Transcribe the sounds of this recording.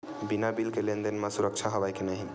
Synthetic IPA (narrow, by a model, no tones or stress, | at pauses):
binabilkelend̪enmasuɾək̚t͡ʃʰaɦəβajkenəɦi